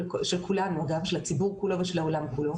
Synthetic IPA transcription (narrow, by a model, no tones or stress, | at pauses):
ʃelkʰulanuaɡavʃelhat͡sibuʁkulo̞veʃelhaolamkulo̞